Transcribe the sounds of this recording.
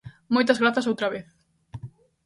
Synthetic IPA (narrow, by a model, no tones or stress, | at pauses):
mojt̪ɐzɣɾaθɐsowt̪ɾɐβeθ